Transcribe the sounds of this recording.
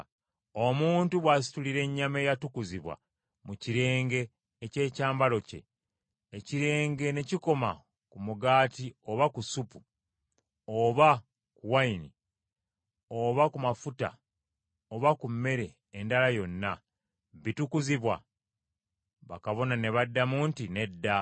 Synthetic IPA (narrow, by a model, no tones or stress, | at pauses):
o̞muːntuβwas̬i̥tuliɾe̞ɲːame̞jatukuziβwa̰ | muciɾe̞ːŋɡe̞ː | ce̞ːcaːmbalo̞ce̞̰ | eciɾe̞ːŋɡe̞ne̞ciko̞ma̰ | kumuɡaːtio̞βakusupu | oβa | kuwaini | oβakumafuta̰ | oβakumːe̞ɾe̞ːndalajo̞nːa | βitukuziβwa̰ | βakaβo̞nane̞βadːamuːntine̞dːa